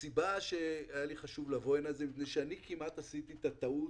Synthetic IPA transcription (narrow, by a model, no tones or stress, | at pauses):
sibaʃeajaliχaʃuvlavo̞enazemipnejʃeanikimat̪asit̪it̪at̪au